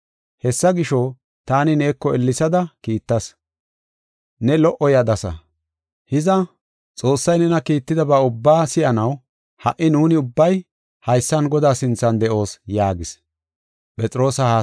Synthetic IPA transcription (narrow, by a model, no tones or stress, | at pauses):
hɛsːɐɡɪʃo | t̪aːnɪneːkːɔɛlːɪsɐd̪ɐkiːt̪ːɐs | nɛlɔʔɔjɐd̪ɐsɐ̰ | hɪzɐ | t͡sʼo̞ːsːɐjnɛnɐkiːt̪ːɪd̪ɐbɐʊbːaːsɪjɐnɐw | hɐʔɪnuːnɪʊbːɐj | hɐjsːɐnɡɔd̪aːsɪnt͡sːɐnd̪ɛʔo̞ːsjaːɡɪs | pʼɛt͡sʼɾo̞ːsɐha